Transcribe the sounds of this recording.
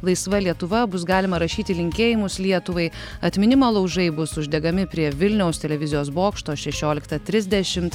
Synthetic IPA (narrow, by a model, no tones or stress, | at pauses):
lˠɐɪsʋɐlʲiɛt̪ʊʋɐbʊs̬ɡɑːlʲɪmɐɾɐʃʲiːt̪ʲɪlʲɪŋʲkʲeːjɪmʊslʲiɛt̪ʊʋɐɪ | ɐt̪ʲmʲɪnʲɪmolˠɐʊʒɐɪbʊsʊʒʲd̪ʲɛɡɐmʲɪpʲɾʲiɛʋʲɪlʲnʲɛʊst̪ʲɛlʲɛʋʲɪzʲɪjoːsboːkʃt̪oːʃʲɛʃʲoːlʲɪkt̪ɐt̪ʲɾʲɪzʲd̪ʲɛʃʲɪmt̪